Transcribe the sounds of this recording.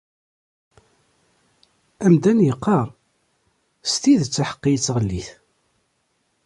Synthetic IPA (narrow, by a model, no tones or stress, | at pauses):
æmd̪ænjəqːɑɾˤ | st̪iðt͡sːaħə̥qːijət͡sːʁəlːiθ